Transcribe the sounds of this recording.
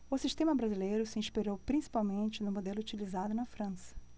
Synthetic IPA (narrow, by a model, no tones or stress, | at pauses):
ʊsiʃt̪ẽmɐbɾazilejɾʊsɪĩʃpiɾowpɾĩsi̥pawmẽnt͡ʃɪnʊmod̪elʊut͡ʃilizad̪ʊnɐfɾɐ̃sɐ̥